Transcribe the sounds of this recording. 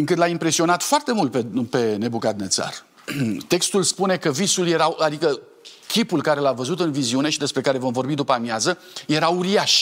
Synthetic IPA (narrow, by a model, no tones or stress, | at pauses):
ɨŋkɨt̪laimpɾe̞sio̞nat̪foart̪e̞mult̪̚pepe̞ne̞bukat̪ne̞t̪sa̰r | t̪e̞kst̪ulspune̞kəvisulje̞ɾaad̪ikə | kʲipulkaɾe̞lavəzut̪ɨnviziune̞ʃid̪e̞spɾe̞kaɾe̞vo̞mvo̞rbid̪upamjazə | je̞ɾauɾiaʃ